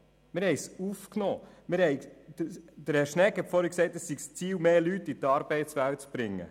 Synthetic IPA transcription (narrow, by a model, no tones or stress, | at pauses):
mɪɾhɛɪsufknɔː | mɪɾhɛɪ̥ | d̪əɾɛɾʃnɛkhɛtfɔːɾəksɛɪtəsːiɡst͡siːwmeːlytit̪ɑːɾbɛɪtt͡sʋælt͡sb̥ɾɪŋːə̰